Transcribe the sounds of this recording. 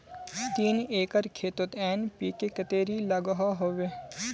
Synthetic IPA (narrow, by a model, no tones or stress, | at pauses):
t̪iːneːkəɾkʰeːt̪ot̪ɛːnpiːkekət̪eːɾiːlɐɡɦaɦoːʋeː